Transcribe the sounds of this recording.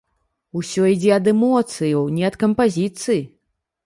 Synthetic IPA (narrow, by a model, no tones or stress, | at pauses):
usʲɔid͡zʲɛɐd̪ɛmɔt̪sɨjɐwnʲɛɐt̪kɐmpazʲit̪sɨji